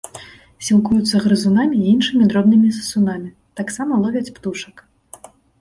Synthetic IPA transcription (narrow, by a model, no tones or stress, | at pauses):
sʲilˠkujut̪sːɐɣɾɨzunamʲiinʂɨmʲid̪ɾɔbnɨmʲisɐsunamʲi | t̪aksamɐlˠɔvʲɐt͡sʲpt̪uʂɐk